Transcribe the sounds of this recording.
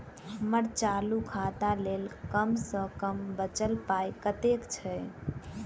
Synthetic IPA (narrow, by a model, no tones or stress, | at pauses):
ɦəməɾt͡ʃalukʰat̪alelkəmsə̃kəmbət͡ʃəlpajkət̪ekt͡ʃʰɛ